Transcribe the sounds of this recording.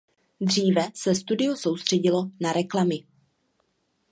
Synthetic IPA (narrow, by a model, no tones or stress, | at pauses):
d̪r̝iːvɛsɛst̪udɪoso̞wst̪r̥ɛɟɪlo̞naɾɛklamɪ